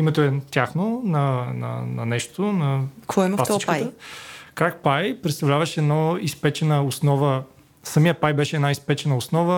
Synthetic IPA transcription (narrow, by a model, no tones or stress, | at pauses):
imɛt̪oɛt̪ʲjaxnonɐnɐ̰nɐ̰nɛʃt̪onɐkvɔlast͡ʃkk̪kɾak̚pajpɾɛt̪st̪ɐvlʲavəʃɛd̪noispɛt͡ʃɛnəosnɔvə | səmijəpajbɛʃɛːd̪naispɛt͡ʃɛnəʊsnɔvə